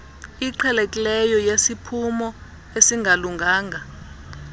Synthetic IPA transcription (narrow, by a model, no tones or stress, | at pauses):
iǃʰɛlekʼilɛjɔjesipʰumɔ | esiŋʱaluŋʱaːŋʱa